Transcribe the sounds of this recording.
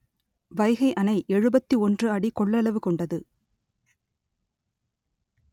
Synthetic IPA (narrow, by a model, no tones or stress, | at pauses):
ʋɐɪɣɐɪʔɐnɐɪʔɛɻɯbɐt̪ːiɔndrɯɐɽikɔɭːɐlɐʋɯkɔɳɖɐðɯ